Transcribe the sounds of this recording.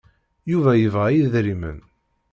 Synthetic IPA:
juvæjəvʁæjiðɾimə̰n

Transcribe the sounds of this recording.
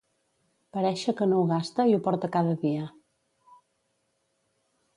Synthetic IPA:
pəɾɛʃəkənowɣast̪əiupɔɾt̪əkaðəðiə

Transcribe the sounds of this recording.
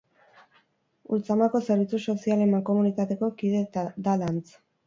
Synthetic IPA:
ult͡samako̞seɾβit͡suso̞sialemako̞munit̪at̪e̞ko̞kiðed̪alant͡s

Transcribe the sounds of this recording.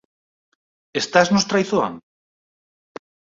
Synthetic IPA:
est̪aznost̪ɾajθoa̰ŋ

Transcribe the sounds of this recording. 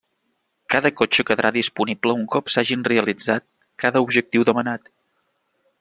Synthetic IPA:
kaðəkot͡ʃəkəðɾʔaðispunibləuŋkɔpsaʒinreəlid͡zat̪̚ | kaðəubʒək̚t̪iwðəmənat̪

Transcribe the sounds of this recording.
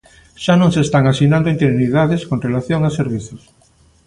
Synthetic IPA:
ʃanõŋsest̪aŋasinand̪oint̪eɾjuniðaðeskonrelaθjoŋaseɾβiθos

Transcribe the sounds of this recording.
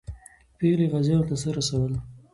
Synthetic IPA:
peleɣazjɑwt̪asəɾasawəl

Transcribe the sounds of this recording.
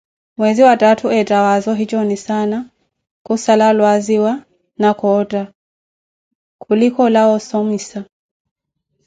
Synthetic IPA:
mwɛziwatatʰuɛtawazɔɦit͡ʃɔnisana | kusalalwaziwa | nakɔta | kʰulikɔlaɔsɔmisa

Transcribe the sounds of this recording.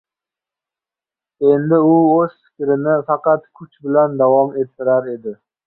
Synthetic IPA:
e̞nd̪ɪʊɵz̥fɪ̥kʲɾɪnɪfɑqɑt̪kʰʊt͡ʃbɪland̪avɒme̞t̪ʰːɪɾaɾe̞d̪ɪ

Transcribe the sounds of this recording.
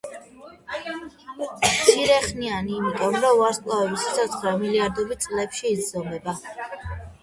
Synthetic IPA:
sʰiɾɛχnianiːmit̪ʼɔmɾɔaɾskʼlˠavɛbisit̪sʰɔt̪sʰχɾɛɔmiliaɾd̪ɔbit̪̚sʼlɛpʃiːd̪zɔmɛba

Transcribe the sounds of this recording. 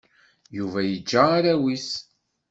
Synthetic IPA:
juvæjəd͡ʒːaːɾæwis

